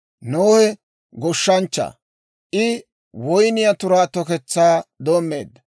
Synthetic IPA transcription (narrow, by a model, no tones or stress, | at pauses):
noːhɛ | ɡɔʃːɐnt͡ʃːɐ̰ | ʔɪ | wɔjnɪjɐt̪ʊɾaːt̪ɔkɛt͡sːaːd̪oːmːeːd̪ːɐ